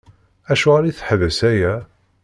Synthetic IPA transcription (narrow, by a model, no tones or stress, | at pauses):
æʃuʁaɾiθħðæsæjæ